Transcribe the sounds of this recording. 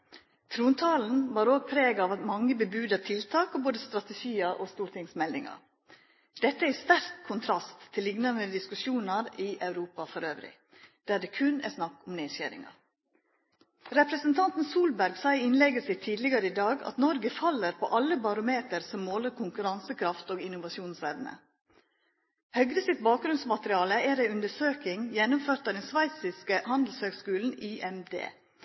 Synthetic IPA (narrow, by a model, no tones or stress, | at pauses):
t̪ʰɾuːnt̪ʰɑːln̩ʋɑːɾoːɡ̚pʰɾeːɡɑːʋɑt̪mɑŋːəbəbʉːd̪ət̪ʰɪlt̪ʰɑːkoboːd̪əst̪ɾɑt̪ɛʃiːəʔɔst̪uːɾʈ̪ʰɪŋsmɛld̪ɪŋɑ̰ɾ | d̪̥ɛt̪ːəæst̪æɾkkʰʊnt̪ʰɾɑst̪ʰːɪlːɪɡnɑnd̪əd̪ɪskʉʃjuːnɑɾɪʔɑʉɾuːpɑfɔɾøːʋɾɪ̰ | d̪̥æːɖɛkʰʉnæ̰snɑkːʊmneːçæ̰ːɾɪ̰ŋɑ̰ | ɾɛpɾəsənt̪ʰɑnt̪n̩suːlbæɾɡsæɪɪnlɛɡəsɪt̪ʰiːd̪lɪɡəɾəɪd̪ɑːɡɑ̰t̪nɔɾɡəfɑlːəɾpʰɔ̰ʔɑlːəbɑɾʊmeːt̪əɾsɔmːoːləɾkʰʊŋkʉɾɑnsəkʰɾɑft̪oːɡɪnʊʋɑsuːnsʋɛʋnə̰ | hœɡɾəsɪt̪̚bɑːk̚ɡɾʉnsmɑt̪əɾɪɑːləæɾæɪʉnd̪əʂøːkɪŋjɛnʊmføːɾt̪ɑd̪ɛnsʋæɪsɪskəhɑnd̪l̩shøːɡskʉːln̩iːʔɛmd̪ḛː